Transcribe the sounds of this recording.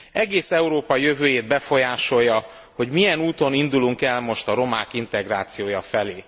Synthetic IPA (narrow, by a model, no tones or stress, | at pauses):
ɛɡeːsɛuɾoːpɒjø̞vøːjeːd̪̚bɛfo̞jaːʃo̞jːɒ | ho̞ɟmijɛnuːt̪o̞nind̪uluŋkɛlmo̞ʃt̪ɒɾo̞maːkint̪ɛɡraːt̪sijoːjɒfɛleː